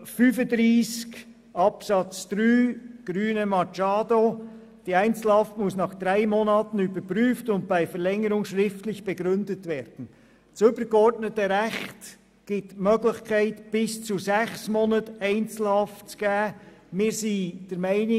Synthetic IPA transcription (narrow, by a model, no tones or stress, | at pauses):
fyːfədɾiːsk | ɑpsɑt͡sd̥ɾyːɡ̥ɾyːnəmɑt͡ʃɑːdo | d̥iːæɪnt͡sl̩hɑftmʊsnɑχd̥̪ɾaɪmonɑːtn̩ybəɾpɾyːftʊnt̚b̥aɪfəɾlɛŋəɾʊŋʃɾɪftlɪçb̥ɛɡɾʏndətvɛːɾd̥n̩ | t͡sʏbəɾɡ̥əɔɾtnətəɾɛxt | ɡ̥ɪtmøːɡlɪçkʰæɪtb̥ɪst͡suzɛxsmonətæɪnt͡sl̩hɑftt͡sɡ̥æːmɪːɾsiːd̥əɾmæɪnɪ